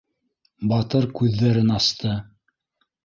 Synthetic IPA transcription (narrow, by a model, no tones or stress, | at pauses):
bɑt̪ɤɾkʉðːæɾɘnɑst̪ɤ